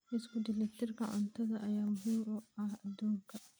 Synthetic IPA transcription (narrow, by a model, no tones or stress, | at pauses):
ʔɪskʊd̪ɪlɛt̪ːɪrkɐʕʊ̰nt̪ɐðɐʔɐjaːmʊɦimɔɐhɐd̪ɔːŋkʰɐ